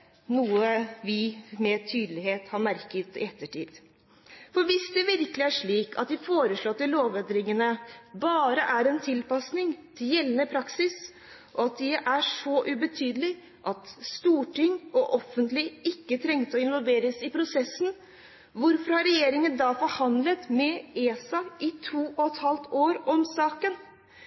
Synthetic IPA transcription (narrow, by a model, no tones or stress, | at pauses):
nuːəʋɪmɛt̪ʰyːd̪əlɪɦeːt̪hɑɾmæɾkət̪ɪ̰ɛt̪ːəʈʰḭːd̪̥ | fɔɾʋɪsd̪ɛʋɪɾkəlɪæʂɭiːkʰɑ̰t̪̚d̪ɪfoːɾəsɭɔt̪ːɪloːʋed̪ɾɪŋənəbɑːɾəʔæɾɛnt̪ʰɪlpɑsnɪŋt̪ʰɪljɛlːənəpʰɾɑksɪs | ʔɔɑt̪̚d̪ɪʔæʂɔʔʉbət̪ʰyːd̪əlɪ | ʔɑt̪st̪uːʈɪŋɔʔɔfːənt̪lɪɪkːət̪ʰɾɛŋt̪əɔɪnʋɔlʋeːɾəsɪpʰɾʊsɛsːn̩ | ʋʊɾfɔɾhɑɾɛjeːɾɪŋənd̪ɑfɔɾhɑnd̪lət̪mɛeːsɑɪt̪ʰuːʔɔɛt̪hɑlt̪oːɾɔmsɑːkən